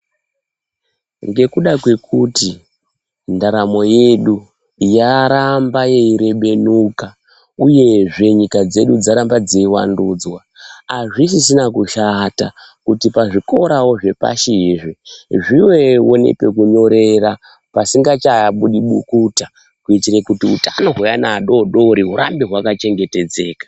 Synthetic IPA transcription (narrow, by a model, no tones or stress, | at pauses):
ŋɡe̞kuɗakwe̞kʰuti | ndaɾamo̞je̞ɗu | jaɾambaje̞iɾe̞ɓe̞nuka | uje̞ʐe̞ɲikad͡ze̞ɗud͡zaɾambad͡zeiwa̰nduːd͡zwaː | ʐisisinakuʃata | kutipaʐiko̞ɾawo̞ʐe̞pa̰ʃiʐiʐiwe̞wo̞ne̞̰pe̞kuɲo̞ɾe̞ɾa | pasiŋɡat͡ʃajaɓuɗiɓukuta | kuitirekutiṵtano̞ɦujanaːɗo̞ɗo̞ɾiɦuɾambiɦwakat͡ʃe̞ŋɡete̞d͡ze̞ːkḁ